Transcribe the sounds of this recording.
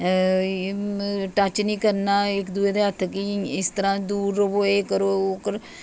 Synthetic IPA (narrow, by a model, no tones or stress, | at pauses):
ʈət͡ʃnĩːkəɾnaːɪkd̪ueːd̪eɦət̪ʰːkiɪst̪əɾãːd̪uːɾoboːeːkəɾoːoːkəɾ